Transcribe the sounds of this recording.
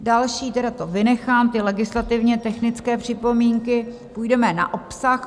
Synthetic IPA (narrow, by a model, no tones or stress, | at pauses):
dalʃiːt̪ɛɾat̪o̞vɪnɛxaːmt̪ɪlɛɡɪslat̪ɪvɲɛt̪ɛxnɪt͡skɛːpr̝̥ɪpo̞miːŋkɪ | pujdɛmɛna̰ʔo̞psax